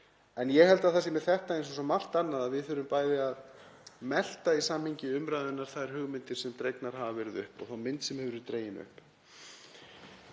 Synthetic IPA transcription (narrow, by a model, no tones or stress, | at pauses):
ɛnjɛɣhɛlt̪aðθasɛmɛθɛht̪aejnsɔsɔmːal̥t̪anːaðaðvɪðθʏɾʏmpaːjðɪaðmɛl̥t̪aisamhiɲcɪʏmɾaːjðʏnːaɾ̥θaðɛɾ̥hʏɣmɪnt̪ɪɾ̥sɛmt̪ɾejknaɾ̥ɦavavɛɾɪðʏ̰hpɔ̰ɣθawmɪnt̪sɛmhɛvʏɾʏɾt̪ɾejɪnʏ̰hp